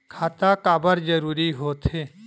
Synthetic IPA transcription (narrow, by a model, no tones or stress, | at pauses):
kʰaːt̪akaːbəɾd͡ʒəɾuːɾiɦoːt̪ɦeː